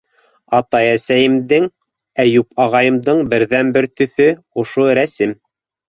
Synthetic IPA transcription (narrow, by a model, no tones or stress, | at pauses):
ɑt̪ɑjæsæjɘ̆md̪ɘŋ | æjupɑʁɑjɤ̆md̪ɤɴbɘ̆ɾðænbɘɾt̪ɵ̆θɵ | ŏʃoɾæsɘm